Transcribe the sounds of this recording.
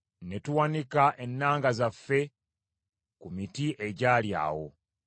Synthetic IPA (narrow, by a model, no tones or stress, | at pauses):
ne̞tuwanikaʔe̞nːaːŋɡazafːe̞ | kumitiʔe̞ɟaːlja̰ːwo̞̰